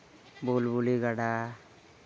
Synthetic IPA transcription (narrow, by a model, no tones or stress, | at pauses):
bolbuliɡaɽa